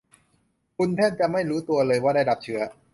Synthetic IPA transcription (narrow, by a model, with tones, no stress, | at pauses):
kʰu˧npʰɛː˥˩t̪̚t͡ɕa˨ʔma˥˩jɾuː˦˥t̪u˧ɐlɤː˧jwaː˥˩aː˥˩jda˨˩p̚t͡ɕʰɯ˦˥ɐ